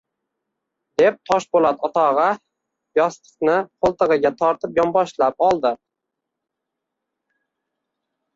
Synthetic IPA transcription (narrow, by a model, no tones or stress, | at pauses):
d̪e̞p̚t̪ʰɒʃbolˠat̪ʰɒt̪ʰɒʁɑ | jɒst̪ʰɨ̥qnɪqʰolˠt̪ɨʁɨɡʲat̪ʰɒɾt̪ɪpjɒmbɒʃlap̚ɒlˠd̪ɪ